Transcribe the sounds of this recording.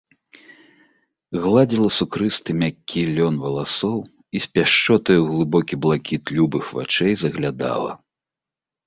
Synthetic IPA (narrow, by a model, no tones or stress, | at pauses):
ɣlˠad͡zʲilˠɐsukɾɨst̪ɨmʲakʲːilʲɔnvɐlˠasɔw | isʲpʲaʂt͡ʂɔt̪ɔjuɣlˠɨbɔkʲiblˠakʲit̪lʲubɨxva̰t͡ʂɛjzɐɣlʲad̪a̰lˠɐ̰